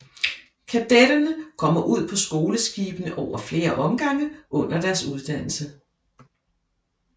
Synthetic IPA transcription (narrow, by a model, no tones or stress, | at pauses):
kʰæd̥eɾ̥ɐnəkʰɒ̽m̰ɐʔuð̞̰ˠpʰɒ̽sɡ̥o̝ːləsɡ̥iːb̥ənəʔɒʊ̰ɐfle̝ːɐʔɒ̽mɡ̥ɑ̈ŋ̰əʔɔ̽n̰ɐd̥æɐsuð̞ˠd̥æn̰l̩sə